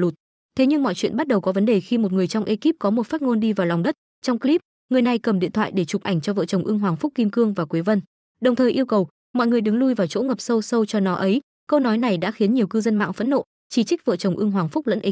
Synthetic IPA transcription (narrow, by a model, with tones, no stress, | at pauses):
lu˨˩t̚ | t̪ʰe˨˦ɲɨ˧ŋmɔ̰˧˨jt͡ɕwḭ˧˨nɓa˦˥t̚ɗə˨˩wkɔ˨˦və˨˦nɗe˨˩xi˧mo˨˩t̚ŋɨ˨˩əjt͡ɕwŋ͡mʔe˧ki˦˥p̚kɔ˨˦mo˨˩t̚faː˦˥t̚ŋo˧nɗi˧vaː˨˩wlwŋ͡mɗə˦˥t̚ | t͡ɕɔ˧wŋ͡mkli˦˥p̚ | ŋɨ˨˩əjna˨˩jkə˨˩mɗḭ˧˨ət̪ʰw̰ːjɗe˧˩t͡ɕʊ˨˩p̚ʔa˨˧˩jŋ̟t͡ɕɔ˧və̰ː˧˨t͡ɕə˨˩wŋ͡mʔɨ˧əŋɦwaː˨˩ŋfʊ˦˥k͡p̚ki˧mkɨ˧əŋvaː˨˩kwe˨˦və˧n | ɗə˨˩wŋ͡mt̪ʰəː˨˩jʔi˧əwkə˨˩w | mɔ̰˧˨jŋɨ˨˩əjɗɨ˨˦ŋlu˧jvaː˨˩t͡ɕo̰˧˥ŋə˨˩p̚sə˧wsə˧wt͡ɕɔ˧nɔ˨˦ʔə˨˦j | kə˧wnɔ˨˦jna˨˩jɗa̰ː˧˥xi˨˦ənɲi˨˩əwkɨ˧zə˧nma̰ː˧˨ŋfə̰˧˥nːo̰˧˨ | t͡ɕi˧˩t͡ɕi˦˥k̟̚və̰˧˨t͡ɕə˨˩wŋ͡mʔɨ˧əŋɦwaː˨˩ŋfʊ˦˥k͡p̚lə̰˧˥nʔi˨˦